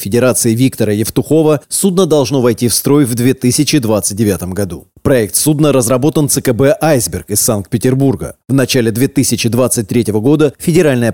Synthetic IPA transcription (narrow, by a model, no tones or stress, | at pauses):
fʲɪdʲɪɾat̪sɨɪvʲikt̪əɾəjɪft̪ʊxo̞vəsud̪nəd̪ɐlˠʐno̞vɐjtʲifst̪ɾo̞jvd̪vʲe̞t̪ɨsʲɪt͡ɕɪd̪vat̪sɨt̚ʲdʲɪvʲat̪əmɡɐd̪u | pɾɐɛk̚t̪sud̪nəɾəzɾɐbo̞t̪ənt̪sɨkɛbɛʔajzbʲɪrkɪsːank̚t̪pʲɪtʲɪrburɡə̰vnɐt͡ɕalʲɪd̪vʲe̞t̪ɨsʲɪt͡ɕɪd̪vat̪sɨt̚ʲt̪ɾʲetʲɪvəɡo̞d̪əfʲɪdʲɪɾalʲnəjə